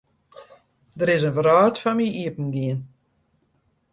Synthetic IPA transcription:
dəɾɪsənvrɔːtfɔmiʔiəpən̩ɡiən

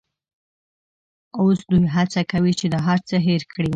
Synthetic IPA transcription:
osd̪ujɦat͡sakawit͡ʃed̪əɦaɾt͡səɦeɾkɽi

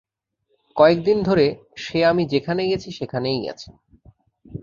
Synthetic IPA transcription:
kɔek̚d̪ind̪ʱoɾe | ʃeamid͡ʑekʰaneɡet͡ɕʰiʃekʰanejɡɛ̰t͡ɕʰe̥

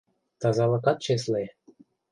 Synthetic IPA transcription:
t̪ɑzɑlɤ̆kɑt̪̚t͡ɕes̬le

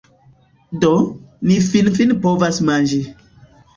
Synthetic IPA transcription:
donifinfinpovasmand͡ʒi

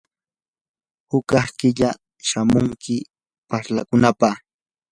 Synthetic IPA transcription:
hʊkɑhkɪʎa | ʃamʊŋkɪ | paɾlakʊnapɑχ

